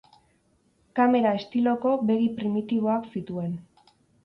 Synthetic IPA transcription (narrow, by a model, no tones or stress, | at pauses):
kame̞ɾae̞st̪ilo̞ko̞βe̞ɣipɾimit̪iβ̞o̞aksit̪ue̞n